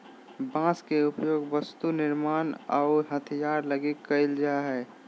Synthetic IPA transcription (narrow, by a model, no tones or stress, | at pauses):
bãːskeʊpjoːɡʋəst̪unɪɾmaːna̰ʊɦət̪ʰijaːɾləɡikːəɪld͡ʒaɦɛː